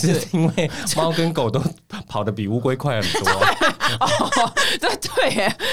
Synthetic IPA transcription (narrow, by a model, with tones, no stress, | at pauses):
ʂ̩˥˩i˥nwe˥˩ɪmɑ˥ʊkə˦nko˨˩ʊt̪o˥ʊpʰɑ˨˩ʊd̪ə˦˧pi˨˩u˥kwe˥ɪkʰwa˥˩ɪxə˨˩nt̪ɔ˦e˥˩ɔ˥˨ə˥˩t̪we˥˩ɪ